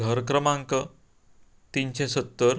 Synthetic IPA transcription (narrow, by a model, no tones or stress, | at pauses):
ɡʱəɾkɾəmãŋkə | t̪int͡ɕẽsət̪ːəɾ